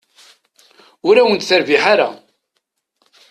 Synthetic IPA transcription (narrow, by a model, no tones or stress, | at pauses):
ʊɾæwənt̪θəɾviħaɾa̰